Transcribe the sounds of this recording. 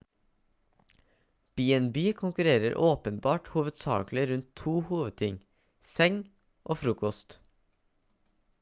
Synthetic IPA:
b̥iːɛnbyːkʰʊŋkʉɾeːɾə̰ɾʔoːpənbɑːʈhuːʋəd̪sɑ̰ːklɪɾʉnt̪ʰːuːhuːʋəd̪̚t̪ʰɪŋ | sɛŋ | ʔoːfɾuːkɔst̪

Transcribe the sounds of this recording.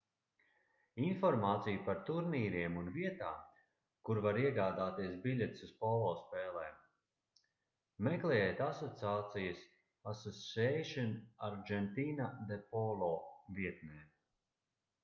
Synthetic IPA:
infɔɾmaːt̪sijupaɾt̪uɾniːɾiɛmunviɛt̪aːm | kuɾvaɾiɛɡaːd̪aːt̪iɛsbilʲet̪suspɔlˠɔːspɛːlˠɛːm | mɛklˠɛjɛt̪asɔt̪siaːt̪sijɐs | asɔsɛʃɔnaɾd͡ʒɛnt̪iːnad̪epɔlˠɔːviɛt̪nɛːn

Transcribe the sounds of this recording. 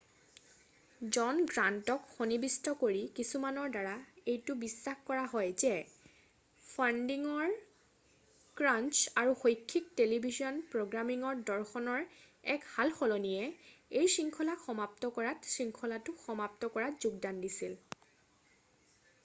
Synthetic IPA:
zɔnɡɹantɔkxonibistɔkoɹikisumanɔɹdaɹaejtʊbisːaxkɔɹaɦɔjzɛ | pʰandiŋɔɹ | kɹant͡ʃaɹuxojkʰːik̚telibʱizɔnpɹoɡɹamiŋɔɹdɔɹxɔnɔɹ | ɛkhalxɔlɔnijɛejsiŋkʰɔlaxɔmap̚tɔkɔɹatsɹiŋkʰɔlatʊxɔmap̚tɔkɔɹazuɡ̚dandisil

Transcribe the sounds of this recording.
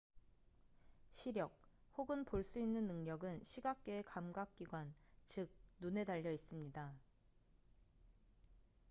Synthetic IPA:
ɕʰiɾjʌk̚hoɡɯnpoɭs͈uinːɯnːɯŋɲʌɡɯnɕʰiɡak̚k͈eekamɡak̚k͈iɡwant͡ɕɯk̚nune̞daʎːʌis͈ɯmɲida

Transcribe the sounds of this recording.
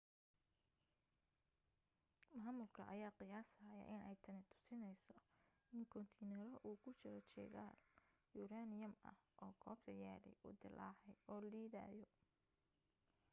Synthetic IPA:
maːmʊlkʰɐʔɐjaːqɪjaːsaːjɐ̰ʔɪnɛjt̪ʰɐnɪt̪ʰʊ̥sɪnɛjsɔ | ɪŋkʰɔnt̪ʰiːnɛɾɔʔuːkʰʊt͡ʃɪɾɔt͡ʃɛ̰ɣa̰ːljuːɾaːnɪjɐmɐ̰hʔɔːkʰɔːbt̪ʰɐja̰ːlɛ̰jʊ̰d̪ɪlʔaːħɛjɔːliːða̰ːjɔ

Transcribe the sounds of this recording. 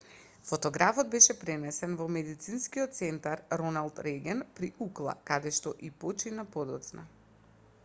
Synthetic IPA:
fɔt̪ɔɡɾafɔd̪̚bɛʃɛpɾɛnɛsɛnvɔmɛd̪it̪sinskiɔt̪̚t̪sɛnt̪aɾɾɔnalˠt̪ɾɛɡʲɛnpɾiʔuklˠa̰kad̪ɛʃt̪ɔʔipɔt͡ʃinapɔd̪ɔt̪sna̰

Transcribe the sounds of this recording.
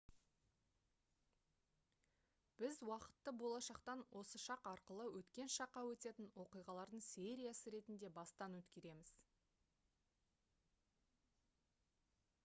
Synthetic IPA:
b̥ɪzwɑqə̥t̪ːəbo̞lˠɑʃɑqt̪ɑnwʔo̞səʃɑqɑɾqəlˠəwɵt̪kʲe̞nʃɑqːɑwɵt̪e̞t̪ɪnwo̞qijʁɑlˠɑɾd̪əɴse̞ɾʲijasəɾe̞t̪ɪnd̪e̞bɑst̪ɑnwɵt̪kʲe̞ɾe̞mɪz̥

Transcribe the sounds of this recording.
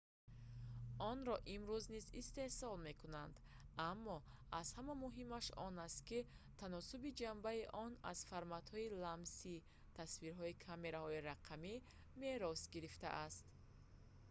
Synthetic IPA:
ɔnɾɔʔimɾuznizist̪e̞hsɔlme̞kunand̪amːɔaz̥hamamuɦimaʃɔ̰nast̪̚ki | t̪ʰanɔsubid͡ʒambaiʔɔna̰z̥faɾmat̪hɔilamsi | t̪ʰasviɾɦɔikʰame̞ɾahɔiɾaqʰami | me̞ɾɔsɡiɾift̪a̰ʔast̪

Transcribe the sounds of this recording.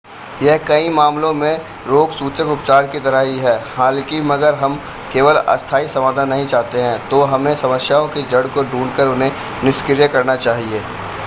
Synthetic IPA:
jɛɦkɐĩmaːmlõmẽ | ɾoːɡsuːt͡ʃəkʊpt͡ʃaːɾkit̪ɐɾəɦiɦɛːhãːlekimɐɡəɾɦɐm | keːʋəlɐ̰st̪ʰaːisɐmaːd̪ʱanːɐɦĩt͡ʃaːɦt̪eɦɛ̃t̪oːɦɐmẽsɐməsjaõkid͡ʒɐɽkoɖũːɳɖkəɾʊnɦẽ | nɪʃkɪɾjəkɐɾnat͡ʃaːɦieː

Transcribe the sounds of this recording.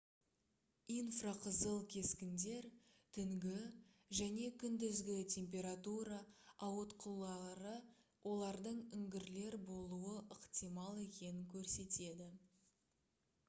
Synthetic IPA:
ijnfraqʰəzəlˠkʲʰe̞skʲɪnd̪e̞ɾ | t̪ʰʏŋɡʲɪ | ʒæne̞kʲʰʏnd̪ɪzɡʲɪt̪ʲʰe̞mp̬ʲe̞ɾat̪uɾɑɑwot̪qʰəlˠɑɾə | wʔo̞lˠɑɾd̪əɴʏŋɡʲɪɾle̞ɾbo̞lˠuəʔəqt̪ijmɑlˠe̞kʲe̞nɪŋkʲʰɵɾse̞t̪e̞d̪ɪ

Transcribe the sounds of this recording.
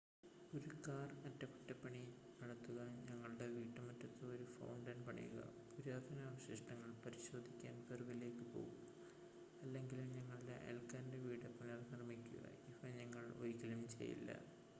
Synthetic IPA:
oɾukaːrmɐtːɐkutːɐpːɐɳi | nɐɽɐt̪ːuɣɐɲɐŋːɐɭɽe̞ʋiːʈːɐmɐtːɐt̪ːɨoɾufɐ̰wɳɖɐnpɐɳḭjṵɣɐ̰puɾaːd̪ʱɐnaːʋɐɕiʂʈɐŋːɐɭpɐɾiɕo̞ːd̪ʱikʲːaːnkɐruɣɐle̞ːkːɨpo̞̰ːɣum | ɐlːe̞ŋɡilumɲɐŋːɐɭɖḛʔḛlkaːnndeʋiːɽɐpːɐɳɐrnirɐmikʲːuɣɐ̰iʋɐɲɐŋːɐɭo̰jikːɐlumt͡ɕḛjːḭlːɐ̰

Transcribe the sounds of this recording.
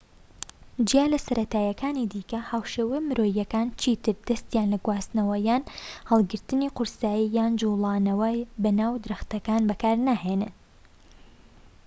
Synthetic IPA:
d͡ʒijaːlɐsɐɾʔɐt̪aːjɐkʰaːnid̪iːkɐhaːwʃeːwemɨɾoːjɐkaːnt͡ʃʰiːt̪ɨɾd̪ɐst̪jaːnlɐɡwaːz̥nɐwɐjaːnhɑlˠɡɨɾt̪ɨniːqʊɾsaːjijaːnd͡ʒulˠɑːnɐwɐjbɐnaːwd̪ɨɾɨxt̪ɐkaːnbɐkaːɾnaːheːnɨn

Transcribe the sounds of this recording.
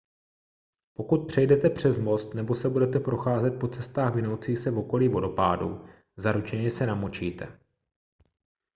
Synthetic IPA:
po̞kut̪̚pr̝̥ɛjdɛt̪ɛpr̝̥ɛzmo̞st̪nɛbo̞sɛbudɛt̪ɛpɾo̞xaːzɛt̪̚po̞t͡sɛst̪aːxvɪno̞wt͡siːsɛvo̞ko̞liːvo̞do̞pa̰ːdṵ | zaɾut͡ʃɛɲɛsɛnamot͡ʃiːt̪ɛ̰

